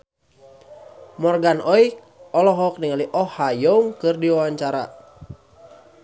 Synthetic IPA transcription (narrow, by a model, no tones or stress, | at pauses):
mɔrɡanɔi | ɔlɔɦɔk̚niŋaliʔɔhajɔŋkɨrdiwawaɲt͡ʃaɾa̰